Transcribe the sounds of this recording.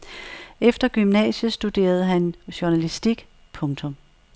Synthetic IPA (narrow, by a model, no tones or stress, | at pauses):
efd̥ɐɡ̥ymnɛ̰ːɕəsd̥ud̥e̝̰ːɐð̞̩ˠɦænɕuɐnælisd̥iɡ̥ | pʰɔ̽ŋt͡sʰɔ̽m